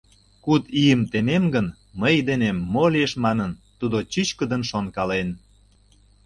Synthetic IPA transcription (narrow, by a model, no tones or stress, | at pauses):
kut̪ijəmt̪ememɡən | məjd̪enemːolieʃmɑnənt̪ud̪ot͡ɕyt͡ɕkəd̪ənʃonkɑlen